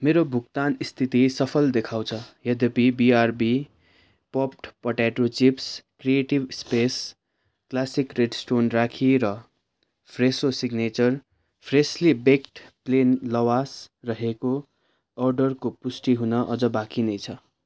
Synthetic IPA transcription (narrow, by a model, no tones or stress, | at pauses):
meɾobʱukt̪anist̪ʰit̪isʌpʰʌld̪ekʰaw̃t͡sʰʌjʌd̪ʌpibiarbi | pʌp̚ʈpʌʈaʈot͡sipskrieʈibspes | klasikreɖsʈonrakʰiɾʌ | pʰresosiɡnet͡sʌr | pʰreslibekʈplenlʌwasrʌɦeko | ʌrɖʌrkopusʈiɦunʌʔʌd͡zʌbakinʌjt͡sʰʌ